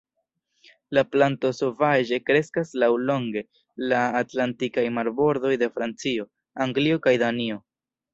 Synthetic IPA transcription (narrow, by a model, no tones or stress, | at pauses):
laplanto̞sovaʒe̞kɾe̞skaslawlo̞ŋɡe̞ | laːtlantikajmaɾbo̞ɾdo̞jde̞fɾant͡sio̞ | aŋɡlio̞kajd̪anio̞